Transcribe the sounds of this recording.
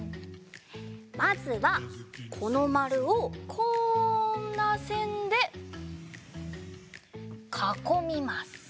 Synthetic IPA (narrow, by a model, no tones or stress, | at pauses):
mazɨβakʰo̞no̞maɾɯ̟okʰoːnːasẽ̞nd̪e̞ | kʰako̞mʲimasɨ̥